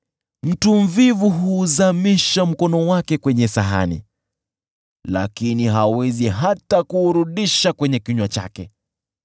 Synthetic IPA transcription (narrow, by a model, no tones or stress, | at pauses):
m̩tum̩vivuɦuːzamiʃam̩kɔnɔwakɛkwɛɲɛsaɦa̰nḭ | la̰kiniɦawɛziɦatakuːɾuɗiʃakwɛɲɛkiɲwat͡ʃa̰kɛ